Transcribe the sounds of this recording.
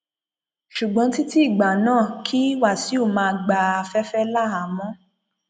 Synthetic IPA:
ʃu˨ɡ͡bɔ̃˧˦ti˦ti˦i˦˨ɡ͡ba˨nãː˦˨kʰi˦wa˦˨si˨˦o˦˨mãː˧ɡ͡ba˧a˧fɛ˦fɛ˦la˦˨a˨mɔ̃˦

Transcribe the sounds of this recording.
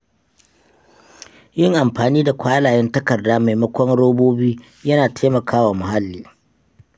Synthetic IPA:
jɪ˦ŋʔa˨mɸaː˨niː˦da˨kʷʰaː˦laː˨jɛ˦ntɐ˦kɐ˨rdaː˦ma˨jmɐ˦kʷɔ˦ŋɽoː˦boː˦biː˦ | jɐ˦naː˨tʰeː˦mɐ˨kʰaː˦waː˨mʊ˨ha˦lːiː˨

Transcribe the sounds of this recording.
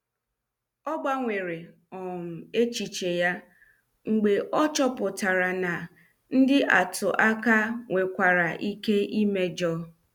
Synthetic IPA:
ɔ˦ɡ͡ba˦ŋʷe˨ɾe˨ | ɔ˨m̩˨e˦t͡ʃi˨t͡ʃe˨ja˦ | ŋ͡m̩˨ɡ͡be˨ʔɔ˦t͡ʃɔ˦pʊ˨ta˨ɾa˨na˨ | n̩˦dɪ˦ʔa˨tʊ˨ʔa˦ka˦ŋʷe˨kʷa˨ɾa˨ʔi˦ke˦i˦me˦d͡ʒɔ˦

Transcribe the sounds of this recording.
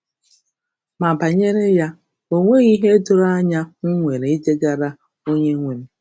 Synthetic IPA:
ma˨ba˨ɲe˦ɾe˦ja˦ | o˨ŋʷe˦ɣi˦ɦe˦dʊ˨ɾa˦ɲa˦ŋ̩˦ŋʷe˨ɾe˨i˦d͡ʒe˦ɡa˨ɾa˦ | o˦ɲe˦ŋʷe˨m̩˦

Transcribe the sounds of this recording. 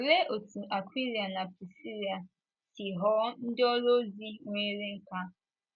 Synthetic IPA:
o˨ɾe˦ʔo˨tʰu˨ʔa˨kʷi˦ɾi˨a˨na˨pɾi˨si˦ɾi˨a˨ | ti˨ɦɔ˦n̩˦dɪ˦ɔ˦ɾo˦zi˦ŋʷe˦ɾe˦ŋ̩˦ka˦

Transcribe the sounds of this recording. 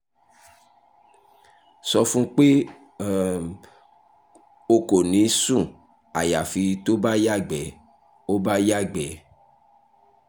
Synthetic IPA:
sɔ˧fũ˦k͡pe˦ | o˧ko˨nĩ˨˦sũ˦˨ | a˨ja˨fi˧to˦ba˦ja˦˨ɡ͡bɛ˨ | o˦ba˦ja˦˨ɡ͡bɛ˨

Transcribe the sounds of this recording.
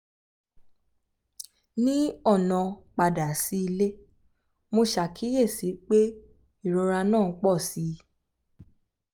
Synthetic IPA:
nĩ˦ɔ˦˨nã˨k͡pa˨da˨si˨˦i˧le˦ | mo˧ʃa˨kʰi˨˦je˦˨si˨˦k͡pe˦ | i˦˨ɾo˧ɾa˧nãː˦˨˦k͡pɔ˦˨si˨˦

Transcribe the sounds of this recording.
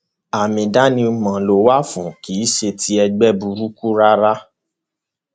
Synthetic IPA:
a˨mĩ˨da˨˦nĩ˧u˧mã˨lo˨˧wa˦fũ˨kiː˨˦ʃe˧ti˧˦ɛ˧ɡ͡bɛ˦bu˧ɾu˦ku˦ɾa˦ɾa˦

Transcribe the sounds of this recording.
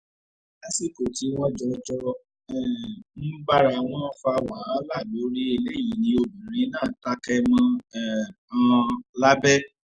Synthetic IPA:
a˦si˦˨ko˨ti˨˦w̃ɔ̃˦d͡ʒɔ˧d͡ʒɔ˧ | ɛ˦˨m̩˦ba˦ɾa˧w̃ɔ̃˦fa˧wa˨˦la˦˨lo˨˦ɾi˦e˧le˦˨ji˨nĩ˧o˧bĩ˨ɾ̃ĩ˨˦nãː˦˨ta˦kɛ˦˧mã˧ɛ˦˨ | ã˧la˦bɛ˦

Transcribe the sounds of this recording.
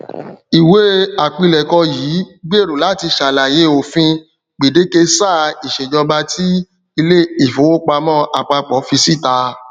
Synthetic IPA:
i˨we˨˦a˨k͡pĩ˧lɛ˨kɔ˧jiː˨˦ɡ͡be˦˨ɾo˨la˨˦ti˧ʃa˨la˨je˨˦o˨fĩ˧ | ɡ͡bi˨de˨˦ke˧sa˦˨i˨ʃe˨d͡ʒɔ˧ba˧˦tʰi˦ | i˧le˦i˨fo˨˦wo˦k͡pa˧mɔ̃˦a˨k͡pa˧k͡pɔ˨˦fi˧si˦˨ta˧

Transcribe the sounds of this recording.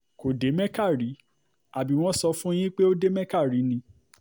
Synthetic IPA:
ko˨de˨˦mɛ̃˦ka˦˨ɾi˨˦ | a˨bi˨˦w̃ɔ̃˦sɔ˧fũ˦j̃ĩ˦k͡pe˦o˦de˦mɛ̃˦ka˦˨ɾi˨˦nĩ˧˦

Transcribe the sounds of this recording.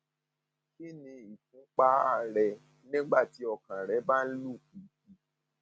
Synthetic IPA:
ki˦nĩ˧i˨fũ˨˦k͡pa˦a˦˨ɾɛ˧ | nĩ˦ɡ͡ba˦˨ti˨˦ɔ˧˨kã˨ɾɛ˨˦ba˦n̩˦lu˦˨ki˨ki˨˦

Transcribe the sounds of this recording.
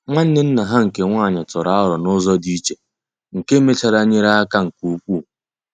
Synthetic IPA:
ŋʷa˦n̩˦ne˦n̩˦na˨ɦa˦ŋ̩˨ke˨ŋʷa˦˨ɲɪ˨tʊ˨ɾa˦a˦ɾɔ˨nʊ˦zɔ˦di˦t͡ʃe˨ | ŋ̩˨ke˦me˦t͡ʃa˨ɾa˨ɲe˦ɾa˦a˦ka˦ŋ̩˨ku˦k͡pʷu˦˨

